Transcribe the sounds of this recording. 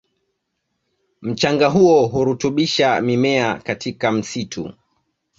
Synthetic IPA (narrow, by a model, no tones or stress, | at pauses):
m̩t͡ʃaŋɡaɦuɔɦuɾutuɓiʃamimɛakatʰikam̩sitʰṵ